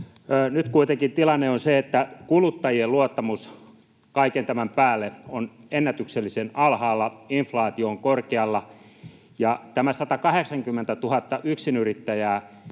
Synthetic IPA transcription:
nyt̪kuit̪eŋkint̪ilɑnːeonseet̪ːækulut̪ːɑjieluot̪ːɑmus | kɑikent̪æmæmpæːlːeonenːæt̪ykselːisenɑlhɑːlːɑiɱflɑːt̪ioːŋkorkeɑlːɑ | jɑt̪æmæsɑt̪ɑkɑheksɑŋkymːent̪æt̪uhɑt̪ːɑʔyksinyrit̪ːæjæː

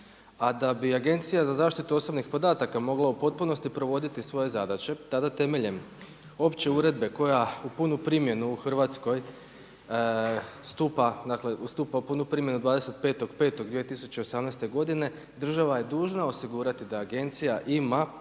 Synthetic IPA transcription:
ad̪abiaɡe̞nt̪sijazazaːʃt̪it̪uo̞so̞bnixpo̞d̪aːt̪akamo̞ɡlaupo̞t̪̚puno̞st̪ipɾo̞ʋo̞d̪it̪isʋo̞je̞zad̪at͡ɕe̞t̪ad̪at̪e̞me̞ʎem | o̞pt͡ɕe̞uɾe̞d̪̚be̞ko̞jaupunupɾimje̞nuːxr̩ʋat̪sko̞j | st̪upad̪akle̞ʔust̪uːpaupunupɾiːmje̞nud̪ʋaːd̪e̞se̞t̪̚pe̞ːt̪o̞ɡpe̞ːt̪o̞ɡd̪ʋijet̪isut͡ɕeosamnajst̪e̞ɡo̞d̪ine̞ | d̪r̩ʒaʋaje̞d̪uːʒnao̞siɡuːɾat̪id̪aːɡe̞nt̪sijaʔima

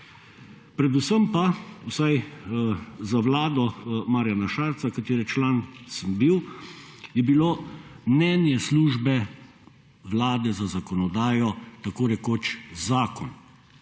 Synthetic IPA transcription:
pɾɛd̪usəmpawsaj | zaʋlaːd̪ɔmaːɾjanaʃaːɾt̪sakat̪eːɾɛt͡ʃlaːnsəmbiw | jɛbiloːmnɛnjɛsluːʒbɛ | ʋlaːd̪ɛzazakɔnɔd̪aːjɔt̪akoːɾɛkoːt͡ʃzaːkɔn

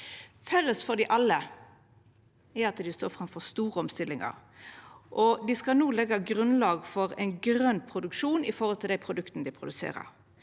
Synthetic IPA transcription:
fœlːəsfɔd̪ɪʔɑlːə | ɛɑt̪d̪ɪst̪oːɾfɾɑmfɔɾst̪uːʁəɔmst̪ɪlːɪŋɑ̰ɾ | ʔɔd̪ɪskɑnuːlɛɡːɑɡɾʉnlɑːɡfɔɾɛ̰ɪnɡɾœnːpʰɾʊd̪ʉkʂuːnɪfɔhɔlt̪ʰɪld̪æɪpʰɾʊd̪ʉkt̪nəd̪ɪpʰɾʊd̪ʉsḛːɾə̰ɾ

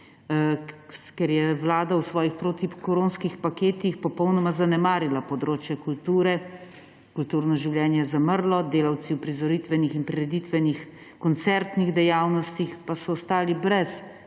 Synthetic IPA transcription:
kɛɾjɛʋlaːd̪awsʋɔːjixpɾoːt̪ikɔɾonskixpakeːt̪ixpɔpɔwnɔmazanɛmaːɾilapɔd̪ɾoːt͡ʃjɛkult̪uːɾɛ | kult̪uːɾnɔʒiwljɛːnjɛzaməɾlɔd̪eːlaw̪siwpɾizɔɾit̪ʋɛnixinpɾiɾɛd̪it̪ʋɛnix | kɔnt̪sɛɾt̪niɣd̪ɛjaːwnɔst̪ixpasɔːst̪aːlibɾɛs

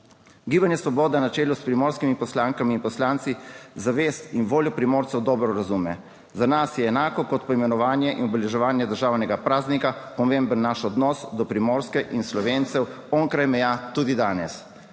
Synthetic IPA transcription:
ɡiːbanjɛsʋɔbɔːd̪ɛnat͡ʃɛːluspɾimoːɾskimipɔslaŋkamiːnpɔslant̪sizaʋeːst̪inʋoːljɔpɾimɔːɾt̪sɛwd̪ɔːbɾɔɾazumɛ | zanasjɛːnaːkɔkɔt̪pɔimɛnɔʋaːnjɛʔinɔbɛlɛʒɛʋaːnjɛd̪əɾʒaːwnɛɡapɾaːznikapɔmẽmbənːaʃɔd̪nɔsd̪ɔpɾimɔɾskɛʔinslɔʋeːnt̪sɛw | ɔŋkɾajmɛjat̪ud̪id̪aːnɛs

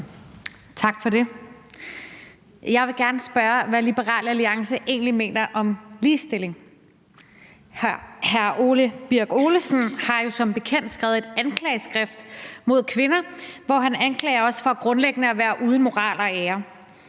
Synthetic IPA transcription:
t͡sʰɑ̈ɡ̥fɒ̽de̝ | jɑ̈ɪʋe̝ɡ̥æɐnəsb̥ɶɐʋælib̥əʁɑ̰̈ːləæliɑ̈ŋsəʔe̝̰ːnlime̝̰ːnɐʔɒ̽mliːsd̥e̝le̝ŋ | hhæɐʔo̝ːləb̥iɐɡ̥o̝ːləsn̩hɑ̈jo̝sɒ̽mb̥e̝kʰen̰d̥sɡ̥ʁɛ̰ʊð̩ˠe̝d̥ænkʰlɛːɪsɡ̥ʁɛfd̥mo̝ð̞̰ˠkʰʋe̝nɐʋɒ̰ɦænænkʰlɛ̰ːɪɐɒ̽sfɒ̽ɡ̥ʁɔ̽nleɡ̥ənəɒʋæːɐʔuðˠəmo̝ʁɑ̰̈ːl̰ɐeɐ

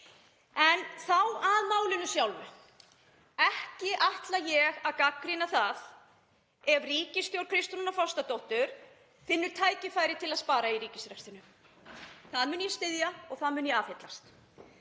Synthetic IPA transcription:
ɛnθawaðmaːwlɪnʏsjawlvʏ | ɛhcɪʔaht̪lajɛɣaðkakːɾinaθað | ɛvriːcɪst̪jowɾkʰɾɪst̪ɾnunafɔwst̪at̪owht̪ʏɾ̥ | fɪnːʏɾ̥t̪ʰaːjcɪfaːjɾɪt̪ʰɪlaðspaːɾaiɾiːcɪsɾɛkst̪ɪnʏ | θaðmʏnjɛst̪ɪðjaɔɣθaðmʏnjɛaːfhet̪last̪

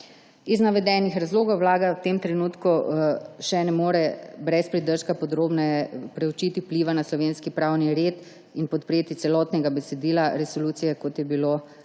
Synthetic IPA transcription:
iznaʋɛd̪ɛnixɾazloːɡɔwːlaːɡawt̪emt̪ɾɛnuːt̪kuʃɛnɛmoːɾɛbɾɛspɾid̪əɾʃkapɔd̪ɾoːbnɛjɛpɾɛwt͡ʃit̪iwpliʋanaslɔʋeːnskipɾawniɾeːt̪ | inpɔt̪pɾeːt̪it̪sɛlɔt̪nɛɡabɛsɛd̪iːlaɾɛsoluːt̪sijɛkot̪jɛbilo

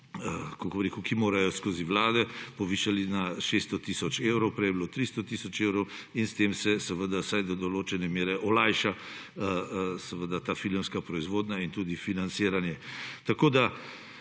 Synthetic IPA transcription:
kokbɾeːkukimoːɾajɔskoːziʋlaːd̪ɛpɔʋiːʃalinaʃest̪ɔt̪isɔt͡ʃewɾɔwpɾɛjɛbilot̪ɾist̪ɔt̪isɔt͡ʃewɾɔw | inst̪emsɛsəʋəd̪asajd̪ɔd̪ɔloːt͡ʃɛnɛmjeːɾɛʔɔlajʃa | səʋəd̪at̪aːfilɛmskapɾɔizʋoːd̪naint̪uːd̪ifinant̪siːɾanjɛt̪akoːd̪a

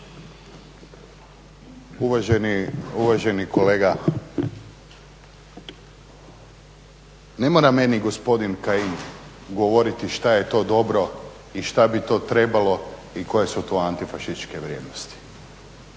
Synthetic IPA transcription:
uʋaʒnuʋaʒeniko̞leːɡa | ne̞moːɾame̞niɡo̞spo̞d̪inkaim | ɡoʋoɾit̪iʃt̪aje̞t̪o̞ːd̪o̞bɾo̞ | iʃt̪abit̪o̞ːt̪ɾe̞balo̞iko̞je̞sut̪o̞ant̪ifaʃist̪t͡ʃke̞ʋɾjed̪nost̪i̥

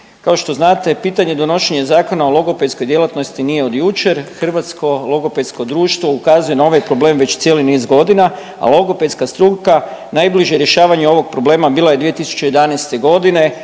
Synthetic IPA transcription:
kaoʃt̪o̞znaːt̪e̞piːt̪aɲe̞d̪o̞no̞ʃe̞ɲezaːko̞naolˠo̞ɡo̞pet̪sko̞jd̪je̞lˠat̪no̞st̪inije̞o̞d̪jut͡ʃe̞ɾxr̩ʋat̪sko̞lˠoɡo̞pet̪sko̞d̪ɾuːʃt̪ʋoukazuje̞nao̞ʋajpɾo̞ble̞ːmʋe̞t͡ɕt̪sje̞linizɡo̞d̪ina | a̰lˠo̞ɡo̞pet̪skast̪ɾukanajbliʒjeɾje̞ʃaːʋaɲeo̞ʋo̞ɡ̚pɾo̞ble̞ːmabiːlˠojed̪ʋie̞t̪isu̥t͡ɕeje̞d̪anajst̪e̞ɡo̞d̪ine̞

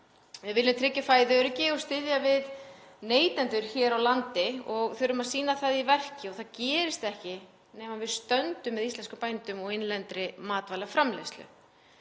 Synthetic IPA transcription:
vɪðvɪlːɪmt̪ʰɾɪcːafaːjðɪœɾʏcɪɔɣst̪ɪðjavɪðneːjt̪ɛnt̪ʏɾ̥çɛːɾawlant̪ɪɔɣθʏɾʏmaðsiːnaθaðivɛr̥cɪɔɣθaðcɛːɾɪst̪ɛhcɪ | nɛːmavɪðst̪œnt̪ʏmːɛðist̪ɛnskʏmpajnt̪ʏmɔɣejnlɛnt̪ɾɪmaːt̪vajlaɣfɾamlḛjst̪lʏ̰

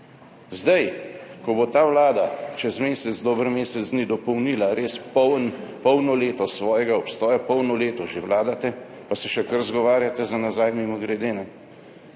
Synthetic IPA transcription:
zd̪ajkɔbot̪aːwlaːd̪at͡ʃɛzmeːsɛt̪zd̪ɔːbəɾmeːsɛzd̪nid̪ɔpɔwniːlaɾeːsɔwnpɔwnɔleːt̪ɔsʋɔːjɛɡaɔpst̪ɔːjapɔwnɔleːt̪ɔʒeʋlaːd̪at̪ɛ | pasɛʃɛkəɾzɡɔʋaːɾjat̪ɛzanazajmimɔɡɾɛd̪eːnɛ

